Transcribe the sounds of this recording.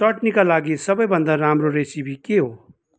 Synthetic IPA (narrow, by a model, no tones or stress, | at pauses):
sɔʈnikalaːɡisʌbəjbə̃nd̪aɾaːmɾoɾesibʱikeɦo